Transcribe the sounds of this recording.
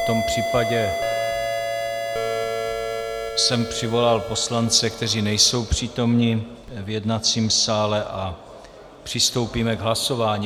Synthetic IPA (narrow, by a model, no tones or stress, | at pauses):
t̪o̞mpr̥iːpaɟɛ | sɛmpr̥ɪvo̞lalpo̞slant͡sɛkt̪ɛriːnɛjso̞wpr̝̥iːt̪o̞mɲi | vjɛdnat͡siːmsaːlɛʔa | pr̥ɪst̪o̞wpiːmɛɡɦlaso̞vaːɲiː